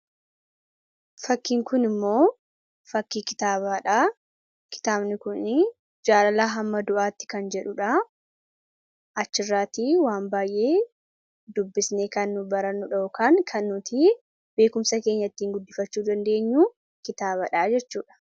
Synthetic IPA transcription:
fɐkːiːŋkʊnɪmːo̞ː | fɐkːiːkɪ̥t̪aːβaːᶑaː | kɪ̥t̪aːbnɪkʊn | d͡ʒaːlɐlaːɦɐmːɐd̪ʊʔaːt̪ːɪ̥kɐnd͡ʒɛᶑʊᶑa | ʔɐt͡ʃːɪrːaːt̪iːwaːmbaːjʔe̞ː | d̪ʊbːɪsneːkɐnːʊbɐɾɐnːʊᶑɐoːkaːŋkʰɐnːʊt̪ʰi | b̥e̞ːkʊmsɐke̞ːɲːɐt̪ːiːŋɡʊd̪ːɪfɐt͡ʃːuːd̪ɐnd̪e̞ːɲːuː | kɪt̪aːβɐᶑaːd͡ʒɛt͡ʃːuːᶑɐ̥

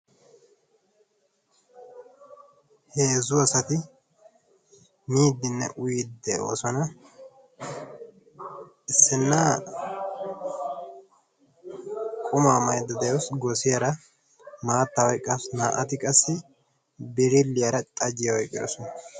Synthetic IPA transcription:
heːzʊɐsɐt̪ɪ | niːd̪ːɪnːɛ̰ʔʊjɪd̪ɛo̰ːsɔnɐ | ʔɪsːɪnːaː | kʼʊmaːmɐjd̪ɐd̪ɛjosɡɔsɪjɐɾɐ | maːt̪ːɐwɔjkʼːɐfsnaːʔɐt̪ɪkʼɐsːɪ | bɪɾɪlːɪjɐɾɐt̪ʼɐd͡ʒɪjɐwɔjkʼɪ̰ɾɔ̰sɔnɐ

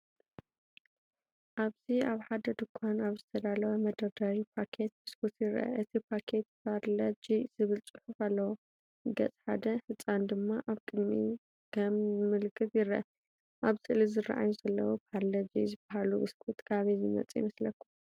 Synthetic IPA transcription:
ʔaβziaβħad̪ɐd̪ɨkʷʰːanaβzɨt̪ʰɐd̪alɐwɐmɐd̪ɐd̪awipʰakʰe̞t̪̚ʔɨskʰut̪jɪɾʔɐ̰ʔɨt̪ʰipʰakʰe̞t̪̚pʰaɾlɐd͡ʒizɨβɨlt͡sʼɨħukalːɐwo | ɡɐ̰t͡sʼħa̰d̪ɐħɨt͡sʼːand̪ɨmːaʔaβkʼɨd̪mi | kʰɐmːɨlkʰɨβjɪɾʔɐ̰ | ʔaβsʰɨʔlizɨra̰ʔa̰juzɐlːɐwopʰaɾlɐd͡ʒḭzɨbaɦaluʔɨskʰut̪ʼkʰʼaβizɨmɐ̰t͡sʼijmɐslɐkːu

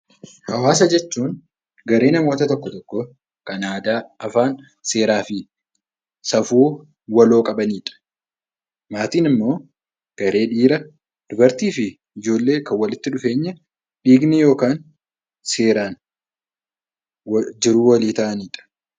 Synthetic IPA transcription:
hɐwaːs̬ɐd͡ʒɛt͡ʃːuːn | ɡɐɾe̞ːnɐmo̞ːt̪ɐt̪ɔkːɔt̪ɔkːɔ | kɐnaːd̪aːɐfaːn | se̞ːɾaːfɪ | sɐfuː | wɐlo̞ːkʼɐbɐniːᶑɐ̥ | maːt̪iːnɪmːo̞ː | ɡ̥ɐɾe̞ːᶑiːɾɐ | d̪̥ʊbɐɾt̪iːfɪ | ɪd͡ʒo̞ːlːe̞ːkɐwɐlɪt̪ːɪᶑʊfe̞ːɲːɐ | ᶑiːɡnɪjo̞ːkaːn | se̞ːɾaːn | d͡ʒɪɾuːwɐliːt̪ɐʔɐniːᶑɐ̥

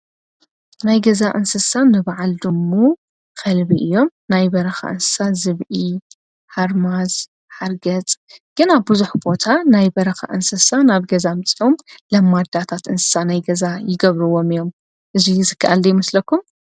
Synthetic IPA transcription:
najɡɐzaʔɨnsɨsanɨβaʕald̪ɨmːo | xɐlbiʔɨjːo̞mnajbɐɾɐxa̰ʔɨ̰nsɨ̥sat̪zɨβʔi | ħaɾmaz | ħaɾɡɐt͡sʼɡ̥ɨnaβbɨzuħbo̞t̪ʰanajbɐɾɐxa̰ʔɨnsɨsanaβɡɐzamɨt͡sʼiʔomlɐmːad̪at̪ʰat̪ɨnsɨ̥sanajɡɐzajɪɡɐβɾɨwo̞mɨjo̞m | ʔɨzizɨkʰːaʔalːɐjmɨslɐkʰːum

